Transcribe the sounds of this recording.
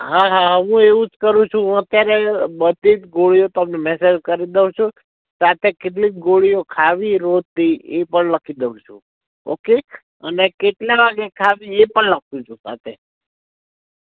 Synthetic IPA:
ɦaɦaɦəʋũeʋũd͡ʒkəɾũt͡ʃʰũət̪jaɾebət̪it̪ɡoɭijot̪əmnemɛsed͡ʒkəɾid̪eʋũt͡ʃʰũ | sat̪ʰekeʈlik̪̚ɡoɭijokʰaʋiɾod̪̚t̪iepəɳləkʰid̪eʋũt͡ʃʰṵ̃ | o̰ke | ənekeʈlaʋaɡekʰaʋiepəɳlək̚ʰt̪ũt͡ʃʰũsa̰t̪ʰe

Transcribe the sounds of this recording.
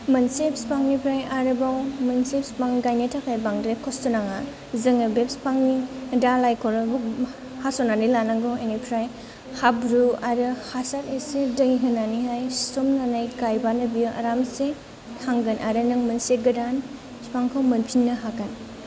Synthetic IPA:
mɐnsepspaŋnipʰɾajaɾɯbawmɐnsep̚spaŋɡajnetʰakʰajbaŋdɾekʰɔstɔnaŋa | zɯŋɯbep̚spʰaŋnidalajkʰɔɾbu | hasɔnanilanaŋɡɔenipʰɾaj | habɾuaɾɯhasaɾesedɐŋiɦɯnːaniɦajɔmnanajɡajbanɯbijuʔa̰ɾamse | haŋɡɯnʔaɾɯnɯŋmɐnseɡɐdan | spaŋkʰawmɐnpʰinːɯɦakan

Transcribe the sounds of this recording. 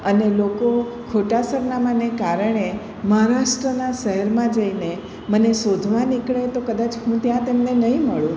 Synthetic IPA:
ənelokokʰoʈasəɾnamanekaɾəɳ̃e | məɦãɾaʃʈɾənaʃəɦɛɾmãd͡ʒəine | mənesod̪ʱʋanikɭet̪okəd̪at͡ʃɦũt̪jãt̪emnenəɦĩməɭũ

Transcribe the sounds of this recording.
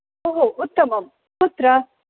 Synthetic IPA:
oɦoʔʊt̪ːɐmɐm | ut̪ɾɐ

